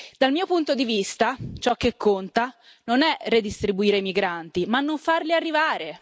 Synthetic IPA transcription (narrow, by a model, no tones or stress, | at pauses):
d̪almiːopunt̪od̪ivist̪at͡ʃɔk̟ːekːont̪a | nonɛred̪ist̪ɾibuiːɾeimiɡɾant̪imanːoɱfarliarːivaːɾe